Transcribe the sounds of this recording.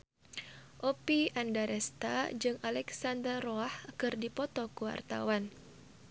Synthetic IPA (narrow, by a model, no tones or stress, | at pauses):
ʔɔpiandaɾɛst̪a̰d͡ʒɨŋalɛksandərrɔahkɨrdipɔt̪ɔkuwa̰rt̪a̰wan